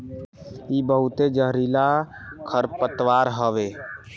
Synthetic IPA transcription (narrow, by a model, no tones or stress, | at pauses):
ibəɦut̪ed͡ʒəɦɾila | kʰəɾpət̪ʋaɾɦəʋe